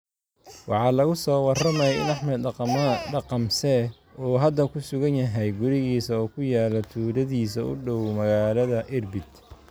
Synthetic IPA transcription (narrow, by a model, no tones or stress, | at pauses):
wɑ̰ħɑːlɐɣʊsɔːwɑrɐmɛjɛɪ̰nɑħmɛd̪ɖɑqɑmsɛ | ɔːɦɐd̪ɐkʰʊsʊɣɐnjɐɦɛjɡʊɾɪɣiːsɐɔːkʰʊjaːlɐt̪ʰuːɾɐðiːsɐʊ̰ɖɔwmɐɣaːlɐðɐʔɪrbɪd̪